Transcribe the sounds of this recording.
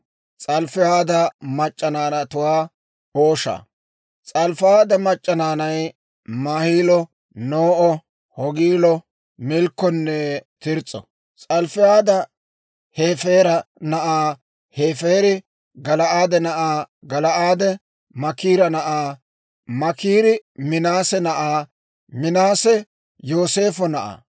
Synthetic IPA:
t͡sʼɐlfɪhaːd̪ɐmɐt͡ʃʼːɐnaːnɐt̪ʊwaː | oːʃa̰ː | t͡sʼɐlfaːd̪ɐmɐt͡ʃʼːɐnaːnɐj | maːhiːlɔ | noːʔɔ | hɔɡiːlɔ | mɪlkːɔnːɛt̪ɪɾt͡sʼːɔ̰ | t͡sʼɐlfɪaːd̪ɐ | heːfe̞ːɾɐnɐʔaː | heːfeːɾɪ | ɡɐlɐʔaːd̪ɛnɐʔaːɡɐlɐʔaːd̪ɛ | mɐkiːɾɐnɐʔaː | mɐkiːɾɪmɪnaːsɛnɐʔaː | mɪnaːsɛ | joːse̞ːfɔnɐʔa̰ː

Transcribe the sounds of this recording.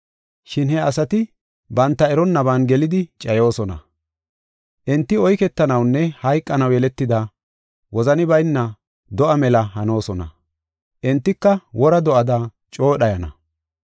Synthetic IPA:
ʃɪnhɛɐsɐt̪ɪ | bɐnt̪ːɐɛɾɔnːɐbaːnɡɛlɪd̪ɪt͡ʃʼɐjo̞ːsɔnɐ̰ | ʔɛnt̪ːɪɔjkɛt̪ːɐnɐwnːɛhɐjkʼːɐnɐwjɛlɛt̪ːɪd̪ɐ | wɔzɐnɪbɐjnːɐ | d̪ɔʔɐmɛlɐhɐno̞ːsɔnɐ̰ | ʔɛnt̪ːɪkːɐwʔɔɾɐd̪ɔʔɐd̪aː | t͡ʃʼo̞ːɗɐjɐnɐ̰

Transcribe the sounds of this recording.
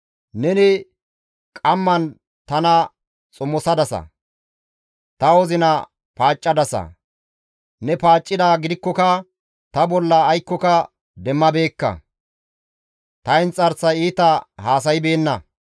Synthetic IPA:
nɛnɪ | kʼɐmːɐn | t̪ɐnɐ | t͡sʼʊmːɔsɐd̪ɐsɐ̰ | t̪ɐɔzɪnɐ | paːt͡ʃʼːɐd̪ɐsɐ̰ | nɛpaːt͡ʃʼːɪd̪aːɡɪd̪ɪkːɔkɐ | t̪ɐbɔlːɐːjkːɔkɐ | d̪ɛmːɐbe̞ːkːɐ̰ | t̪ɐɪnt͡sʼɐɾsɐjiːt̪ɐhaːsɐjɪbe̞ːnːɐ

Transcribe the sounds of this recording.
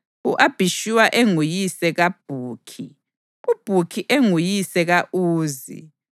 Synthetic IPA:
uʔab̥ʱiʃiwaʔeŋujisɛɣab̥ʱuːkʰi | ub̥ʱukʰiʔeŋujisɛɣaʔuːzḭ

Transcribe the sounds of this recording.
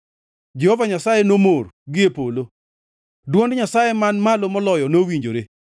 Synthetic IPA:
d͡ʒɛhɔvaɲasajenomorɡɪepolo | dwɔndɲasajemanmalomɔlɔjɔnowiɲd͡ʒoɾe

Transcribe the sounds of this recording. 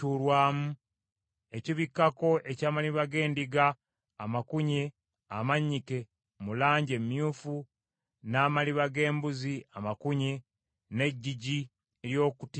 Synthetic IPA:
ulwaːmu | e̞ciβikːako̞ʔe̞caːmaliβaɡe̞ːndiɡaː | makuɲe̞ | amaɲike̞ | mulaːɲɟemjuːfu | naːmaliβaɡe̞ːmbuziamakuɲe | ne̞ɟːiɟi | eɾjo̞ːkut

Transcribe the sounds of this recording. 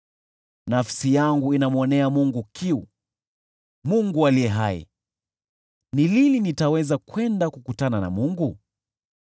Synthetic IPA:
nafsijaŋɡuinamwɔnɛamuŋɡukʰiu | muŋɡualijɛɦaɛ̰ | nililinitawɛzakwɛndakukutanana̰muŋɡu

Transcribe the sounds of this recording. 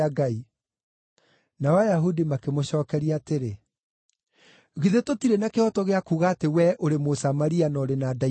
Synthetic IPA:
aɡai | nawajaɦudimakemoɕɔːkɛɾiaːteɾe | ɣiðetotiɾenakehɔtɔɣeakuɣaːtewɛʔoɾemosamaɾianɔɾenada

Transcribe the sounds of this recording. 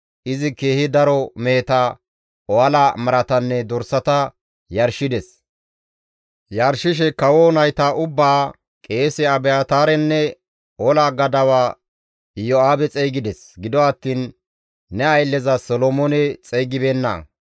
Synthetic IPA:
ʔɪzɪke̞ːhɪd̪ɐɾɔme̞ːt̪ɐ | ɔɐlamɐɾɐt̪ɐnːɛd̪ɔɾsɐt̪ɐ | jɐɾʃɪd̪ɛs | jɐɾʃɪʃ̬ɛkɐwoːnɐjt̪aʔʊbːaː | kʼe̞ːsɛɐbɛaːt̪aːɾɛnːɛ | ɔlaɡɐd̪ɐwaː | jɔaːbɛt͡sʼɛjɡɪd̪ɛsɡɪd̪ɔɐt̪ːiːnː | ɛɐjlːɛzɐsɔlɔmɔnɛt͡sʼɛjɡɪbenːɐ̰

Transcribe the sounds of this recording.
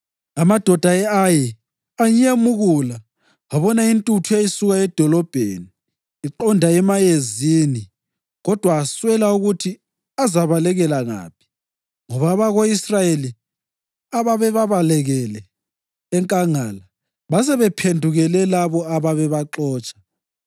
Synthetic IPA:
amad̥ʱɔd̥ʱaɛaji | aɲemuɣula | aβɔnaintʼutʰuejisuɣaɛd̥ʱɔlɔb̥ʱḛːniː | ǃɔndʱaɛmajezini | ɣɔd̥ʱwaːswɛlauɣutʰi | azaβalɛɣɛlaŋa̰ːpʰi̥ | ŋɔβaβaɣoisrajeli | aβaβɛβaβalɛɣɛlɛː | ŋkʼaŋaːla | βas̬ɛβɛpʰendʱuɣɛlɛlaβɔaβaβɛβaǁɔːt͡ʃʼḁ

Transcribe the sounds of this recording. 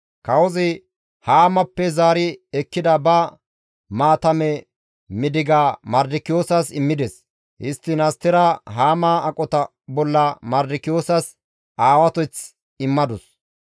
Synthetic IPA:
kɐwɔzɪ | haːmɐpːɛzaːɾɪɛkːɪd̪ɐbɐ | maːt̪ɐmɛ | mɪd̪ɪɡamɐɾd̪ɪkɪjoːsasɪmːɪd̪ɛs | hɪst̪ːɪnɐst̪ːɪɾɐɦaːmaːɐkʼːɔt̪ɐ | bɔlːɐmɐɾd̪ɪkɪjoːsɐs | aːwɐt̪ɔjt͡s | ɪmːɐd̪ɔs

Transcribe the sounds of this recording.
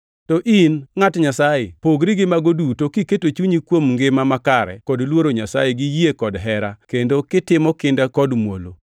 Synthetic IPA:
tɔʔinŋatɲasajepoɡɾiɡɪmaɡodutokiketot͡ʃuɲikwomŋɡɪmamakaɾɛ̰kɔdlwoɾoɲasajeɡijekɔdɦɛɾakendokɪtɪmɔkɪndakɔdmwo̰lo̰

